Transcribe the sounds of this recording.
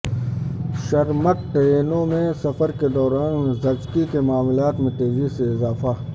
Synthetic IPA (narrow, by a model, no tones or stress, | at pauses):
ʃɐɾmək̚ʈ̪ɐeːnõmẽsɐfəɾked̪ɔːɾaːnzɐd͡ʒkikemaːmlaːt̪mẽt̪eːziseɪzaːfa